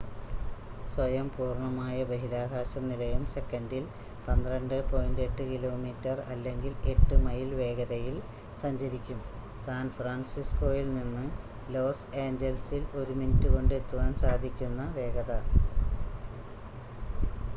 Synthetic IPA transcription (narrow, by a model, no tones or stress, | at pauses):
swɐjɐmpuːrɳɐmaːjɐbeɦilaːkaːɕɐmnilɐjumse̞kːɐndil | pɐnd̪rɐɳɖɨpo̞ːjinde̞ʈːɨkilo̞ːmiːtːɐrɐ̰lːe̞ŋɡile̞ʈːɨmɐjilʋe̞ːɡɐðɐjil | sɐɲd͡ʑɐɾikʲːum | saːnfraːɳsisko̞ːjilninːɨ | lo̞ːseːɲd͡ʑelsilo̞ɾuminutːuɣo̞ɳɖɨe̞t̪ːuʋaːnsaːd̪ʱikʲːunːɐʋe̞ːɡɐðɐ